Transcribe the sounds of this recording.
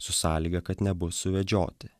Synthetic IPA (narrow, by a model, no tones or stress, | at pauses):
sʊsɑːlʲiːɡɐkɐt̪nʲɛbʊsʊʋʲɛd͡ʒʲo̰ːt̪ʲɪ